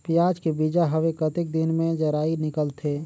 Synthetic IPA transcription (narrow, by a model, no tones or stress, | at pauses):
pjaːd͡ʒkebid͡ʒaɦəʋekət̪ɪk̚d̪ɪnmẽd͡ʒəɾaːinɪkəlt̪ʰe